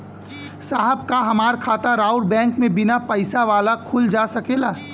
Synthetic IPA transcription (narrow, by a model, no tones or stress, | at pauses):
saɦəb̚kaɦɐmaːɾkʰaːt̪aɾaːʊɾbɛ̃ːŋkmẽbɪnapəɪsaʋaːlakʰuld͡ʒasəkelaː